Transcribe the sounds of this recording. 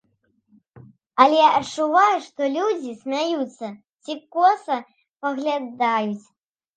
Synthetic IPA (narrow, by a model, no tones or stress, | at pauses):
ɐlʲɛɐtt͡ʂːuvajuʂt̪ɔlʲud͡zʲisʲmʲajut̪sːɐ | t͡sʲikɔsɐ | pɐɣlʲad̪ajut͡sʲ